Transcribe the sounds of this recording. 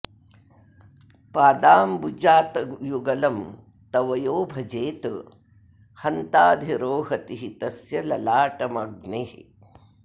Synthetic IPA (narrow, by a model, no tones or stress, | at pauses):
paːd̪aːmbud͡ʒaːt̪ɐjuɡɐlɐm | t̪ɐʋɐjoːbʱɐd͡ʒeːt̪ɨ | hɐnt̪aːd̪ʱiɾoːɦɐt̪iɦit̪ɐsjɐlɐlaːʈɐmɐɡneːɦ